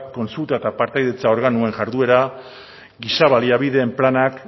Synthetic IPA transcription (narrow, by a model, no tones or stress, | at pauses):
kːo̞nsult̪aet̪apaɾt̪ajðe̞t͡sao̞ɾɣanue̞ŋʝaɾðue̞ɾa | ɡisaβaliaβiðe̞ːmplanak